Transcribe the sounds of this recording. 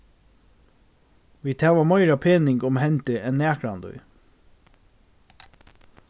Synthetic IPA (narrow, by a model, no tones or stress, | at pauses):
ʋiːt̪ʰæːʋɑmɑɪɾɑpʰeːnɪŋɡʊmhɛnt̪əʔɛnːæːkɾɑnd̪œ̰ʏ